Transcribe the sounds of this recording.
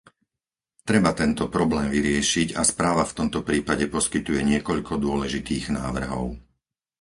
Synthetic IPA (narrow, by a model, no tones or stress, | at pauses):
t̪ɾɛbat̪ɛnt̪ɔpɾɔblɛːmʋiɾɪɛʃiɟa̰spɾaːʋaft̪ɔmt̪ɔpɾiːpaɟɛpɔskit̪ujɛɲɪɛkɔʎkɔd̪ʊɔlɛʒit̪iːɣnaːʋr̩ɦɔ̰ʊ